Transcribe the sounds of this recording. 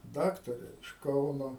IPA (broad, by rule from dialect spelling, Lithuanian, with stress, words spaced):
ˈdɑːktɐrʲɛ ɪʃ ˈkɐʊnoː